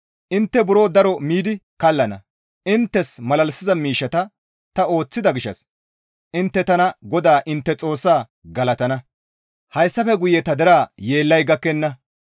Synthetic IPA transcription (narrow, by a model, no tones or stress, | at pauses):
ʔɪnt̪ːɛbʊɾo̞ːd̪ɐɾɔmiːd̪ɪkɐlːɐnɐ̰ | ɪnt̪ːɛsmɐlɐlsɪzɐmiːʃːɐt̪ɐ | t̪ɐo̞ːt͡sːɪd̪ɐɡɪʃːɐ̰s | ʔɪnt̪ːɛt̪ɐnɐɡɔd̪aːʔɪnt̪ːɛt͡sʼo̞ːsːaː | ɡɐlɐt̪ɐnɐ | hɐjsːɐfɛɡʊjɛt̪ɐd̪ɛɾaːje̞ːlːɐjɡɐkːɛnːɐ